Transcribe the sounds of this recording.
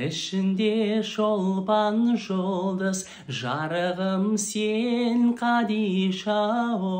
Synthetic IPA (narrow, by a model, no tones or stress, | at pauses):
ɪʃɪnd̪eʒolˠpɑnʒollˠd̪əz | ʒɑɾəʁəmseŋqʰɑd̪ijʃɑo